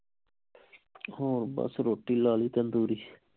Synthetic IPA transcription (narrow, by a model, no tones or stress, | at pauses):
hoːɾbə̰sɾoːʈːiːlaːliːt̪ənd̪uːɾiː